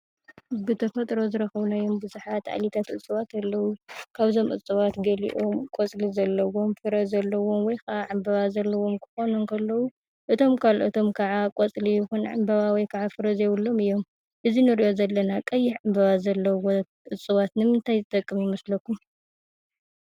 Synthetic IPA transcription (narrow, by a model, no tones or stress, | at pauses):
bɨt̪ʰɐfɐt̪ʼɾo̞zɨɾɐxɐβunajombɨzuħat̪ʕa̰lit̪ʰat̪ʔɨt͡sʼːɨβat̪alːɐwukʰaβzo̞mʔɨ̰t͡sʼɨβat̪ɡɐlḭʔomkʼot͡sʼlizɐlːɐwo̞mfɨɾɐzɐlːɐwo̞mwɔjkʰɐʔaʕambɐβazɐlːɐwomkʰɨ̥xo̞nunkʰɐlːɐwu | ʔɨt̪ʰo̞mkʰalʔɨt̪ʰo̞mkʰɐʕakʼɔt͡sʼlijɪxunʕa̰mbɐβawijkʰɐʕafɨɾɐzejwulːo̞mɨjːo̞m | ʔɨzinɨɾiʔo̞zɐlːɐnakʼɐjːɪħʕambɐβazɐlːɐwo | ʔɨt͡sʼːɨβat̪nɨmɨnt̪ʰajzɨt̪ʼɐkʼːɨmjɪmɐslɐkʰːum